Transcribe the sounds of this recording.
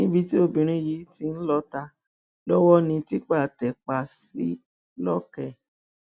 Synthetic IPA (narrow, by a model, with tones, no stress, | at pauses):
nĩ˦bi˧ti˦o˧bĩ˨ɾ̃ĩ˦ji˨˦ti˧˦n̩˦lɔ˧ta˧ | lɔ˦wɔ˦nĩ˧ti˦k͡pa˦˨tɛ˨k͡pa˨si˨˦ | lɔ˦kɛ˦˨